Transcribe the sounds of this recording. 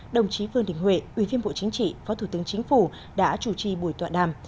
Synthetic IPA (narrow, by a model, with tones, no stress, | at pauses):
ɗə˨˩wŋ͡mt͡ɕi˨˦vɨ˧ənɗï˧˩ŋ̟hwḛ˧˨ʔwi˧˩vi˧ənɓo̰˧˨t͡ɕï˨˦ŋ̟t͡ɕḭ˧˨fɔ˨˦t̪ʰu˧˩t̪ɨ˨˦əŋt͡ɕï˨˦ŋ̟fu˧˩ | ɗa̰ː˧˥t͡ɕu˧˩t͡ɕi˧˩ɓu˧˩əjt̪wa̰ː˧˨nɗaː˧˨m